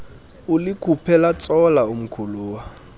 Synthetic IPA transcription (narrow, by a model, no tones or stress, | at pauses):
ʊlɪkʰʼupʰɛlat͡sʼɔlaum̩kʰuluːwa